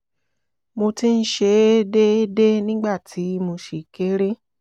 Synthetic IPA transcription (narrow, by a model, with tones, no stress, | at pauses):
mo˧ti˦n̩˦ʃe˧˦e˦de˦e˦de˦nĩ˦ɡ͡ba˦˨tʰi˨˦mo˧ʃe˨ke˦ɾe˦